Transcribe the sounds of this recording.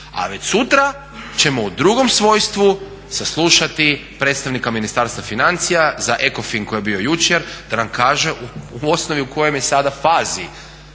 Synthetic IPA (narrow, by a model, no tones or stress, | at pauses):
a̰ʋe̞t͡ɕsut̪ɾa | t͡ʃe̞mo̞ud̪ɾuɡo̞msʋo̞jst̪ʋu | saslˠuːʃat̪ipɾet̪st̪aʋnikaminist̪aɾst̪ʋafinant̪sijazaʔe̞ko̞finkojebio̞jut͡ʃeɾd̪̥anamkaːʒeʔuuo̞snoʋiuko̞jomjesad̪afaːzi